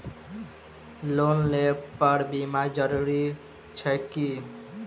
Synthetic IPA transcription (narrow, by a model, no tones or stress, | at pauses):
lonlepəɾbimad͡ʒʌɾuɾi | t͡ʃʰɛki